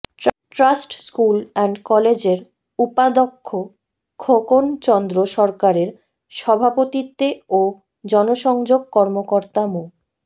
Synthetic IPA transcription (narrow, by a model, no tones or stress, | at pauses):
ʈɾasʈskulɛɳɖkɔled͡ʑeɾ | upad̪okʰːo | kʰokont͡ɕɔnd̪ɾoʃɔɾkaɾeɾ | ʃɔbʱapot̪it̪ːeo | d͡ʑɔnoʃɔŋd͡ʑoɡ̚kɔɾmokoɾt̪amu